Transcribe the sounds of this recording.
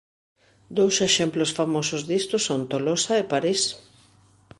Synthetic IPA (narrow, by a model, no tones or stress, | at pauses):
d̪owseʃemplʊsfamosʊzðist̪ʊsont̪olosaepaɾis